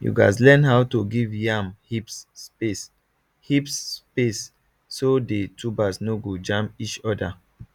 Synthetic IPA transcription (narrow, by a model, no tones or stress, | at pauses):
jṵɡas̬lɛnɦawtoɡivjamhipspes | hipspesː | odetʰubasnoɡod͡ʒãmpit͡ʃɔda